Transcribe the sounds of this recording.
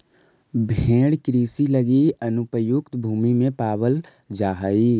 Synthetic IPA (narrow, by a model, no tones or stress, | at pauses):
bʱẽːɽkɾiːsiləɡiɐnʊpəjʊkt̪bʱuːmimẽpaːwəl | d͡ʒaːɦaiː